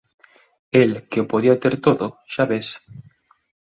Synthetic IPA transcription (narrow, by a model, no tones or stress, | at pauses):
elkeopoðiat̪eɾt̪oðoʃaβes